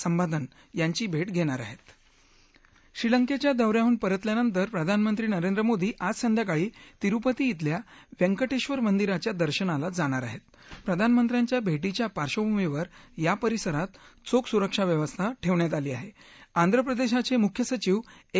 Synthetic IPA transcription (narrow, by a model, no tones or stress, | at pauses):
səmbad̪ʱən | jaɲt͡ɕiːbʱeʈɡʱeɽ̃aɾa̰ɦet̪ | ɕɾiləŋket͡ɕjad̪əʋɾjauːnpəɾət̪ljanənt̪əɾpɾəd̪ʱanmənt̪ɾiːnəɾend̪ɾəmod̪ʱiːʔad͡zsənd̪jak̬aɭiːt̪iɾupət̪iːt̪ljaʋeŋkəʈeɕʋəɾmənd̪iɾat͡ɕjad̪əɾɕənalad͡zaɽ̃aɾa̰ɦet̪̚ | pɾəd̪ʱanmənt̪ɾjaɲt͡ɕjabʱeʈ̬it͡ɕjapaɾɕəbʱumiʋəɾjapəɾisəɾat̪t͡soksuɾəkʂaʋjəʋəst̪ʰaʈʰeʋɳjat̪̬aliːaɦeand̪ʱɾəpɾəd̪eɕat͡semukʰjəsət͡ɕiːʋ